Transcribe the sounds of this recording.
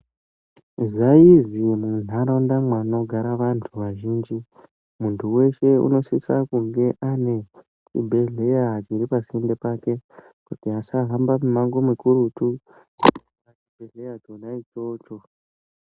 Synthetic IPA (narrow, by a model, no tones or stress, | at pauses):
zaizimun̤aɾaundamwano̞ɡʱaɾaʋantʰuʋaʒiːnd͡ʒi | muntʰuwe̞ʃe̞ṵno̞sisakuŋɡe̞ʔane̞ | t͡ʃḭbʱe̞ɮe̞jat͡ʃiɾipasindepake̞ | kutiasaɦambamumaŋɡo̞mikuɾutu | rat͡ʃibʱe̞ɮejatonait͡ʃo̞ːt͡ʃo